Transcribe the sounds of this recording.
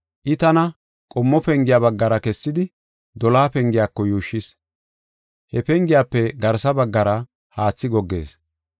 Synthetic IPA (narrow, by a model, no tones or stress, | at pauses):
ʔɪt̪ɐnɐ | kʼɔmːɔpɛŋɡɪjabɐɡːɐɾɐkɛsːɪd̪ɪ | d̪ɔlaːpɛŋɡɪjaːkːɔjuːʃːɪs | hɛpɛŋɡɪjaːpːɛɡɐɾsɐbɐɡːɐɾɐ | haːt͡sːɪɡɔɡːe̞̰ːs